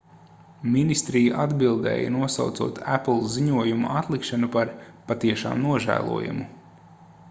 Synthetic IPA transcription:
minist̪ɾijaʔad̪bilˠd̪ɛ̰ːja̰nuɔsawt̪suɔːt̪ʰæpl̩ˠziɲuɔjumṵʔat̪lˠikʃanupaɾpat̪iɛʃa̰ːmnuɔʒæ̰ːlˠṵɔjṵmu

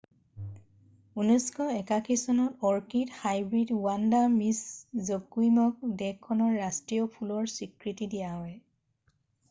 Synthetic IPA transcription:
unɔskɔɛkakʰisɔnɔtɔɹkidhajbɹidwandamiszokujmɔk̚dɛkʰːɔnɔɹːastɹijɔpʰulɔɹsikɹitidijaɦɔj

